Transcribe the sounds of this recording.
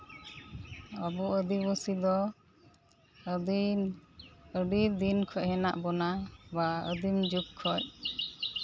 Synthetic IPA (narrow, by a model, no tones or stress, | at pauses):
abɔəd̪ibɔsid̪ɔ | əɖid̪inkʰɔc̚hɛna̰ʔbɔnabaə̰d̪imd͡ʒup̚kʰɔc̚